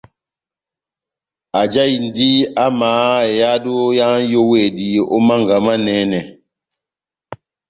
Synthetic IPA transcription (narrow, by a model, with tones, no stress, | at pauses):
a˨d͡ʒa˦i˨n˨di˦a˦maː˨˦e˨ja˦do˦ja˦ŋjo˦we˨di˨o̰˦ma˦ŋɡa˨ma˦nɛ˦nɛ˨